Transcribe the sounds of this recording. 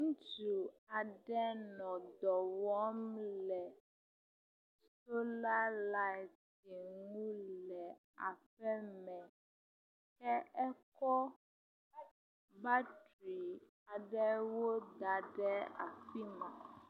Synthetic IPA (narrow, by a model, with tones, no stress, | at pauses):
ŋũ˦t͡ʃu˨a˨ɖɛ˦nɔ̃˨d̪ɔ˨wɔ˦mlɛ˨ | so˦la˦la˦j | ti˨ŋũ˦lɛ˨ | a̰˨ɸɛ˦mɛ̃˨ | kɛ˦ɛ˦kɔ˦ | ba˦tɾi˨ | a˨ɖɛ˦wo˦d̪a˨ɖɛ˦a̰˨fi˦mã˨